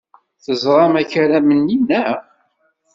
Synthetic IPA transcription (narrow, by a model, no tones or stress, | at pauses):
θəzʁˤɑmæçəɾæməninæ